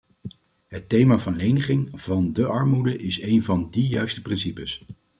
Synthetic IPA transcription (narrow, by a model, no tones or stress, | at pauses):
ɦətejmaːvɑnlejnəχɪŋv̥ɑndəʔɑɹmudəʔɪsejnvɑndijœɥstə̥prɪnsipəs